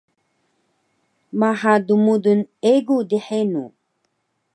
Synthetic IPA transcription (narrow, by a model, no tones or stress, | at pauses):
maħad̪umud̪uneɡud̪iħenṵ